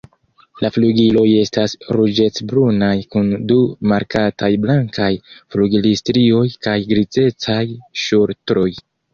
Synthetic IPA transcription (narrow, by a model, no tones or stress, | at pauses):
lafluɡilo̞je̞stasɾud͡ʒe̞t͡sbɾunajkundumaɾkatajblaŋkajfluɡilistɾio̞jkajɡɾize̞t͡sajʃuɾtɾo̞j